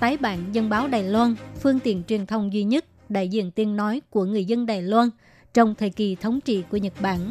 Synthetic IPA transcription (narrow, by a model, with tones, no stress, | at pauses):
t̪aː˨˦jɓa̰ː˧˩˨nzə˧nɓaː˨˦wɗaː˨˩jlwaː˧nfɨ˧əŋt̪ḭ˧˩ənt͡ɕwi˨˩ənt̪ʰə˧wŋ͡mzwi˧ɲə˦˥t̚ | ɗa̰ː˧˨jzḭ˧˨ənt̪i˨˧ənːɔ˨˦jku˧˩əŋɨ˨˩əjzə˧nɗaː˨˩jlwaː˧n | t͡ɕɔ˧wŋ͡mt̪ʰəː˨˩jki˨˩t̪ʰə˨˦wŋ͡mt͡ɕḭ˧˨ku˧˩əɲə˨˩t̚ɓa̰ː˧˨n